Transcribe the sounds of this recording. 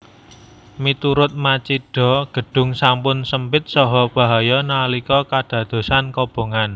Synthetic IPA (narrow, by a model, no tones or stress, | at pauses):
mit̪uɾʊt̪̚mat͡ʃiɖ̥ɔ̤ɡ̥ə̤ɖ̥ʊ̤ŋsampʊnsəmpɪt̪̚sɔɦɔb̥ä̤ɦajɔnalikɔkaɖ̥ä̤d̪̥o̤sankɔb̥o̤ŋan